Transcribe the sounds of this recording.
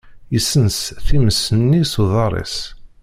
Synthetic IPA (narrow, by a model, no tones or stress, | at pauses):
jisːənsθiməsənːisuðˤɑɾˤḭs